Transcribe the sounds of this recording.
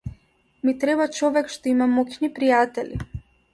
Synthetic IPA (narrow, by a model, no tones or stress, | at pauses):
mit̪ɾɛbat͡ʃɔvɛkʃt̪ɔimamɔknipɾijat̪ɛli